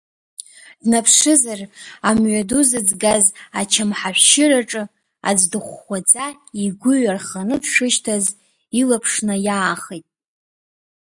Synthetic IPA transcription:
d̥napʰʂɨzaramɥʷaduzɨd͡zɡazat͡ʃʰamħaħʷʃɪraʈ͡ʂʼɨ | a̰d͡zdɨχʷːad͡zʼa | iɡʷʊɥarχanɨpʰʃʷᶣʊʃtʰaz | ilapʰʂnajaːχejtʼ

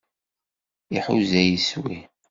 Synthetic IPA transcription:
iħṵzæjiswi

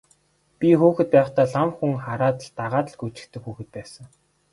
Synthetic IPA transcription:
pʲixuːxɘ̆t̪̚pæːwə̆t̪aːɮamxuŋχaɾaːt̪ə̆ɮt̪aʁaːt̪ə̆ɮɡut͡ɕɪ̥̆kt̪ɘ̆kxuːxɘ̆t̪̚pæːsə̆ŋ

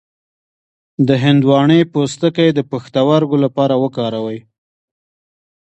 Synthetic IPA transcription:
d̪əɦɪnd̪wɑɳəjpost̪əkajd̪əpaxt̪awaɾɡolapɑɾawəkɑɾawəj

